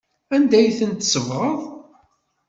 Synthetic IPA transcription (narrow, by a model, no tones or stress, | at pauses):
ænd̪æjθənt̪səvʁəðˤ